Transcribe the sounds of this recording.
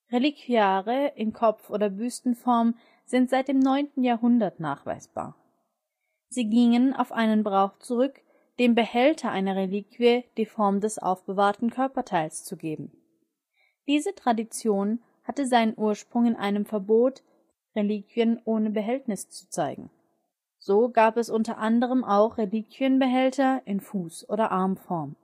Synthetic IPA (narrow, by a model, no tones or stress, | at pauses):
ʁelikʰviaːʁəʔɪnkʰɔp͡fʔoːdɐbyːstn̩fɔɐm | z̥ɪntz̥aɪt̚d̥eːmnɔʏntn̩jaːɐɦʊndɐtna̰ːχv̥a̰ɪsb̥a̰ːɐ | z̥iːɡɪŋəna̰ʊfʔaɪnənbʁaʊχt͡suʁʏk | d̥eːmbəhɛltʰɐʔaɪnɐʁeliːkviəd̥iːfɔɐmdɛsʔa̰ʊfb̥əvaːɐtn̩kʰœɐpɐtʰaɪlst͡suɡeːbm̩ | d̥iːzətʁ̥adit͡sjoːn | hatəzaɪnənʔuːɐʃpʁ̥ʊŋɪnʔa̰ɪnəmfɛɐboːt | ʁeliːkv̥iənʔoːnəbəɦɛltnɪst͡su̥t͡saɪɡŋ̩ | z̥oːɡaːpɛsʔʊntɐʔandəʁ̞əmʔaʊχʁeliːkʰv̥iənbəɦɛltɐʔɪnfuːsʔo̰ːɾɐʔaɐmfɔɐm